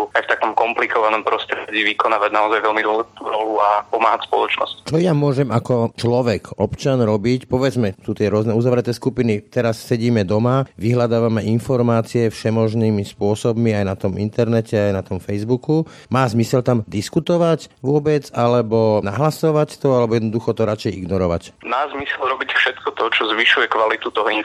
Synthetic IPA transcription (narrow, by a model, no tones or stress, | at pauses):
uajft̪akɔmkɔmplikɔʋanɔmpɾɔst̪ɾɟiːʋikɔnaːʋaɟnaɔzajʋɛlmid̪ʊɔlɛit̪uɾɔluapɔmaːɦatspɔ̰lɔt͡ʃnɔ̰sct͡ʃɔjamʊɔʒɛmakɔt͡ʃlɔʋɛkɔpt͡ʃanɾɔbicpɔʋɛd͡zmɛsut̪ɪɛɾʊɔznɛuzaʋɾɛt̪ɛːskupinit̪ɛɾassɛɟiːmɛd̪ɔmaʋiɦlad̪aːʋamɛʔinfɔɾmaːt͡siɛfʃɛmɔʒniːmispʊɔsɔbmiajnat̪ɔmḭnt̪ɛɾnɛcʰɛajnat̪ɔmfɛjzbuku | maːzmisɛlt̪amd̪iskut̪ɔʋacʋʊɔbɛd͡zalɛbɔnaɦlasɔʋact̪ɔalɛbɔjɛd̪nɔd̪uxɔt̪ɔɾat͡ʃɛjḭɡnɔɾɔʋa̰cmaːzmisɛlɾɔbicfʃɛt̪kɔt̪ɔt͡ʃɔzʋiʃujɛkʋalit̪ut̪ɔɦɔin